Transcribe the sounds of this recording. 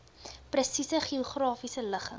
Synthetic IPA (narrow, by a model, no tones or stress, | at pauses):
prəsisəχioχrɑːfisələχə̰ŋ